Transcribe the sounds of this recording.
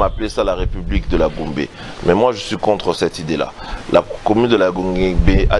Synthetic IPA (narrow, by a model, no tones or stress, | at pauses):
aplesalaʁepyblikd̪əlaɡũbḛ | mɛmwaʒəsɥikɔ̃t̪χəsɛt̪id̪ela̰la̰kɔmynd̪əlaɡɔ̃ɡebea